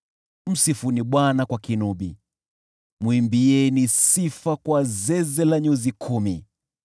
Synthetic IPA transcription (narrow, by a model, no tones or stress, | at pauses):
m̩sifuniɓwanakwakinuɓḭ | mwimbiɛnisifakwazɛzɛlaɲuzikʰumi